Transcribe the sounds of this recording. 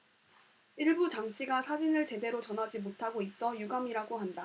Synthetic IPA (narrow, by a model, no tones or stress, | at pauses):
iɭbut͡ɕaŋt͡ɕʰiɡasʰad͡ʑinɯɭt͡ɕe̞de̞ɾot͡ɕʌnɦad͡ʑimotʰaɡois͈ʌjuɡamiɾaɡoɦanda